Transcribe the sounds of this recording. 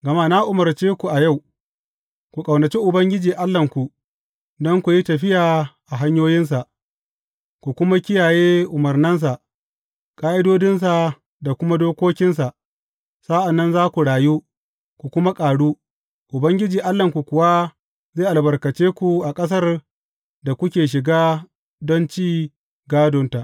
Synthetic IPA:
ɡɐ˨ma˦na˦ʔʊ˨mɐ˨rt͡ʃeː˦kʷu˨ʔa˨ja˦˨w | kʷu˨kʼɐ˨wnɐ˨t͡ʃi˦ʔʊ˨bɐ˦ŋɡʲɪ˦d͡ʒiː˨ʔa˦lːɐ˨ŋkʷu˨ | dɔ˦ŋkʷu˨ji˦tɐ˨ɸɪ˦jaː˨ʔa˨ɦa˦ɲjoː˦jɪ˦ns̬a˨ʔ | kʷu˨kʷʊ˦ma˦kʲɪ˦jaː˨jeː˦ʔʊ˨mɐ˨rnɐ˦ns̬a˨ | kʼaː˦ʔɪ˦doː˦dɪ˦ns̬a˨ | da˨kʷʊ˦ma˦doː˦kʷoː˦kʲɪ˦ns̬a˨ʔ | sa˦ʔa˨nːɐ˦nzaː˦kʷu˨ɽaː˨ju˦ | kʷu˨kʷʊ˦ma˦kʼaː˨ɽuː˦ | ʔʊ˨bɐ˦ŋɡʲɪ˦d͡ʒiː˨ʔa˦lːɐ˨ŋkʷu˨kʷʊ˨wa˦ | zeː˦˨ʔa˨bɐ˨rkɐ˨t͡ʃeː˦kʷu˨ʔa˨kʼɐ˦s̬ɐ˦r | da˨kʷʊ˦kʲeː˨ʃ̬ɪ˨ɡaː˦ | dɔ˦nt͡ʃiː˦ | ɡaː˦dʊ˦nta˨ʔ

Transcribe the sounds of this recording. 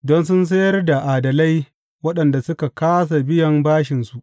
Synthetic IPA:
dɔ˦nsʊ˦ns̬ɐ˦jɐ˦rda˨ʔaː˨dɐ˨la˦j | wɐ˦ɗɐ˨nda˨sʊ˦ka˨kaː˦s̬a˨bɪ˦jɐ˨mbaː˦ʃɪ˨nsu˨ʔ

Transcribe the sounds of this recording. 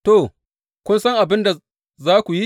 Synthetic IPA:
to˨ | kʷʊ˦nsɐ˦ŋʔa˨bɪ˦nda˨ | zaː˦kʷu˨ji˦

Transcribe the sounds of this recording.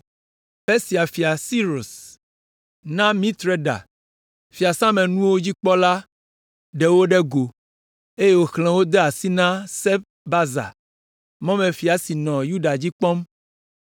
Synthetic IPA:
pe˦si˨a˨fi˨a˨si˦ɾo˨s | nã˦mĩ˦t̪ɾe˦ɖa̰˨ | fi˨a˨sã˦mɛ̃˨nũ˦wo˦d͡ʑi˦k͡pɔ˦la˦ | ɖɛ˨wo˦ɖɛ˦ɡo˨ | e˦je˦wo˦xl̃ɛ̃˨wo˦d̪ɛ˦a˨si˦nã˦sɛ˦b | ba˦za̰˨ | mɔ̃˦mɛ̃˨fi˨a˨si˨nɔ̃˨ju˦ɖa˨d͡ʑi˦k͡pɔ̃˦m

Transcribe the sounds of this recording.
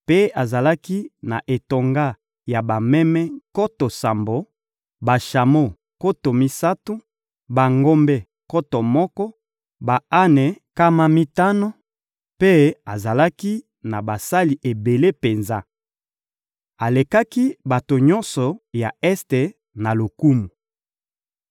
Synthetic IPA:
pe˦a˨za˨la˦ki˦na̰˨ʔe˨to˨ŋɡa˦ | ja˨ba˨mɛ˦mɛ˦ko˦to˨sa˨mbo˨ | ba˨ʃa˨mo˦ | ko˦to˨mi˦sa˦tu˦ | ba˨ŋɡo˦mbɛ˦ | ko˦tɔ˨mɔ˦kɔ˦ | ba˨a˦nɛ˨ | ka˦ma˦mi˦ta˦no˦ | pe˦a˨za˨la˦ki˦ | na˨ba˨sa˦li˨ʔe˨be˨le˦pe˨nza˦ | a˨le˨ka˦ki˦ba˨to˨ɲɔ̃˦nsɔ˨ja˨ɛ˦ste˨ | na˨lo˨ku˦mu˨

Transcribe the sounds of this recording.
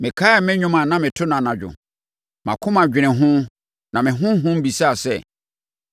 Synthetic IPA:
mɪ̃˨kʰa˦ɛ˨mɪ̃˦ɲᶣʊ̃˦mã˨nã˦mɪ̃˨tʰʊ˦nã˨nã˨d͡ʑᶣʊ̰˨ | mã̰˨kʰʊ̃˦mã˨d͡ʑᶣɪ˨nɪ̃˨ɦʊ̃˦ | nã˨mɪ̃˨ɦʊ̃˦ɦʊ̃˦m˦bi˨sa˦˨sɛ̰˦˨

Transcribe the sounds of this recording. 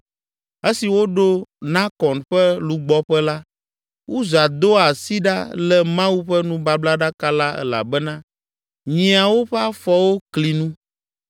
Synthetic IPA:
e˦si˨wo˦ɖo˦nã˦kɔ˨nɸɛ˦lu˨ɡ͡bɔ˦ɸɛ˦la˦ | wu˦za˨d̪o˦a˨si˦ɖa̰˦lɛ˨mã˦wu˦ɸɛ˦nũ˦ba˦bla˦ɖa˦ka˦la˦ɛ̰˦la̰˨bɛ˦nã˦ | ɲĩ˨a˨wo˦ɸɛ˦a˦fɔ˦wo˦kli˨nũ˦

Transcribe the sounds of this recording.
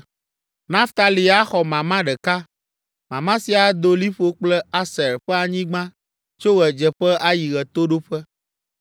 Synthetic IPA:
nã˦ft̪a˨li˨a˦xɔ˨mã˨mã˦ɖɛ˨ka˦ | mã˨mã˦si˨a˨d̪o˦li˦ɸo˦k͡plɛ˦a˦sɛ˨ɾɸɛ˦a˨ɲĩ˦ɡ͡bã˦ | t͡ʃo˦ɣɛ˨d͡ʒɛ˨ɸɛ˦ʔa˦ji˨ɣɛ˨t̪o˦ɖo˦ɸɛ˦

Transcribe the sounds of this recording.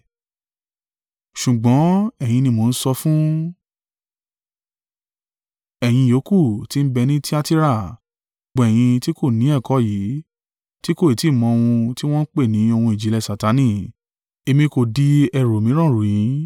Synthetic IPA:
ʃu˨ɡ͡bɔ̃˨˦ɛ˨j̃ĩ˧nĩ˧mo˨n̩˦sɔ˧fũ˦ | ɛ˨j̃ĩ˧jo˨˦ku˦˨ti˦n̩˦bɛ˧nĩ˦ti˦a˦ti˦ɾa˦˨ | ɡ͡bɔ̃˧˨ɛ˨j̃ĩ˧ti˦ko˦˨nĩ˨˦ɛ˦˨kɔ˨˦ji˨˦ | ti˦ko˦˨i˨ti˨˦˨mɔ̃˧o˧w̃ũ˧ti˦w̃ɔ̃˦n̩˦k͡pe˦˨nĩ˨˦o˧hũ˧i˨d͡ʒi˨lɛ˧sa˨ta˨˦nĩ˦˨ | e˧mĩ˧ko˨di˨˦ɛ˧ɾo˨mĩ˨˦ɾ̃ɔ̃˦˨ɾu˨j̃ĩ˨˦

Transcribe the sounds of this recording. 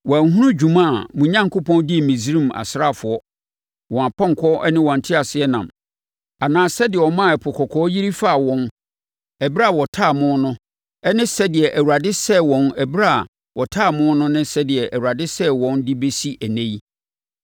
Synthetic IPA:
wɔ˨æ˨ŋ˨ɦũ˦ʊ̃˦d͡ʑᶣu˨mã˦a˨mʊ̃˨ɲã˦ŋ˨kʰʊ˦pʰɔ̃˦ndɪ˦˨mĩ˨zɾĩ˦˨ma̰˨sɾa˦˨fʊ˨ɔ˦ | wɔ̃˨a˨pã˦ŋ˨kʰɔ˦ʔɛ˦nɪ̃˦wɔ̃˨n̩˨tʰɪ˦a˨sɪ˦ɛ˦nã̰˨m | a˨nãː˦sɛ˦dɪ˨ɛ˨wɔ˨mã˦˨ɛ˨pʰʊ˨kʰɔ˨kʰɔː˨˦ji˦ɾi˦fa˦˨wɔ̃˨n | ɛ˨bɾa˦˨wɔ˨tʰaː˦˨mʊ̃˦nʊ̃˦ | ɛ˦nɪ̃˦sɛ˦dɪ˨ɛ˨ʔæ˨wu˨a˨dɪ˦sɛ˦wɔ̃˨nɛ˨bɾa˦˨ | wɔ˨tʰa˦˨mʊ̃˦nʊ̃˦nɪ̃˦sɛ˦dɪ˨ɛ˨ʔæ˨wu˨a˨dɪ˦sɛ˦wɔ̃˦ndɪ˦be˦si˦ʔæ˨nẽ˦j

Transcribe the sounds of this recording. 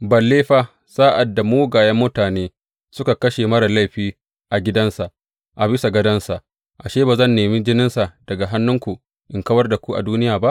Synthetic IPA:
bɐ˨lːeː˦ɸa˦ | saː˦ʔa˨dːa˨moː˦ɡaː˨jɐ˦mːʊ˦taː˨neː˦ | sʊ˦ka˨kɐ˦ʃe˨mɐ˦ɽa˨la˦˨jɸiː˦ | ʔa˨ɡʲɪ˦dɐ˦nsa˨ʔ | ʔa˨bɪ˦sa˨ɡɐ˦dɐ˦nsa˨ʔ | ʔa˨ʃeː˦baː˨zɐ˦˨nːeː˨miː˦d͡ʒɪ˦nɪ˦nsa˨d̥ɐ˨ɡa˨ɦa˦nːʊ˦ŋkʷu˨ | ʔɪ˨ŋkɐ˦wɐ˦rda˨kʷu˦ʔa̰˨duː˦nɪ˦jaː˨ba˦ʔ

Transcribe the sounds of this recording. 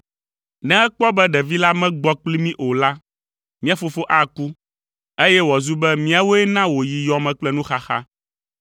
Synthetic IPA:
nɛ̃˦ɛ˦k͡pɔ˦bɛ˦ɖɛ˨vi˦la˦mɛ̃˦ɡ͡bɔ˦k͡pli˦mĩ˦ʔo˨la˦ | mĩ˦a˨fo˨fo˦ʔa˦ku˦ | e˦jɛ˦wɔ˨zu˦bɛ˦mĩ˦a˨wo˦ɛ˦nã˦wo˨ji˨jɔ˨mɛ̃˨k͡plɛ˦nũ˦xa˨xa̰˦

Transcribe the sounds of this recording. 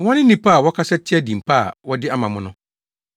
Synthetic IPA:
wɔ̃˦nɪ̃˦nːĩ˨pʰa˦˨wɔ˦kʰa˦sɛ˦tʰɪ˦ɛ˦dĩ˨m̩˨pʰa˦a̰˨wɔ˦dɪ˦a˦mã˨mʊ̃˦nʊ̃˦

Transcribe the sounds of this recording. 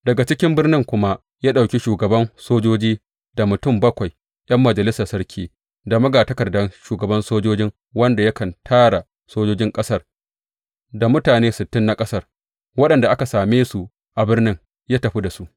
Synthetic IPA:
dɐ˨ɡa˨t͡ʃɪ˦kʲɪ˦mbɪ˦rnɪ˦ŋkʷʊ˦ma˦ʔ | jaː˦ɗa˨wkʲi˦ʃuː˨ɡɐ˨bɐ˦nsoː˦d͡ʒoː˦d͡ʒiː˦ | da˨mʊ˨tʊ˦˨mbɐ˦kʷa˨j | ʔj̰ɐ˦mːɐ˨d͡ʒɐ˨lɪ˦sɐ˨rsɐ˦ɽkʲʰiː˦ | da˨mɐ˦ɡaː˨tɐ˦kɐ˨rdɐ˦nʃuː˨ɡɐ˨bɐ˦nsoː˦d͡ʒoː˦d͡ʒɪ˦ŋ | wɐ˦nda˨jɐ˦kɐ˨ntʰaː˦ɽa˨ | soː˦d͡ʒoː˦d͡ʒɪ˦ŋkʼɐ˦sɐ˦r | da˨mʊ˦taː˨neː˦sɪ˨tːɪ˦nːa˨kʼɐ˦sɐ˦r | wɐ˦ɗɐ˨nda˨ʔa˦ka˨saː˨meː˦su˨ | ʔa˨bɪ˦rnɪ˦ŋ | jaː˦tɐ˨ɸi˦da˨su˦ʔ

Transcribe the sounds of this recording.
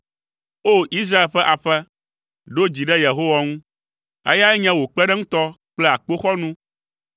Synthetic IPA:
o˦ʔi˦s̬ɾa˦e˨lɸɛ˦ʔa˨ɸɛ˦ | ɖo˦d͡ʑi˨ɖɛ˦je˨ɦo˦wa˦ŋũ˦ | ḛ˦ja˦ɛ˦ɲɛ̃˦wo˨k͡pɛ˦ɖɛ˦ŋũ˦t̪ɔ˦ | k͡plɛ˦a˨k͡po˦xɔ˦nũ˦

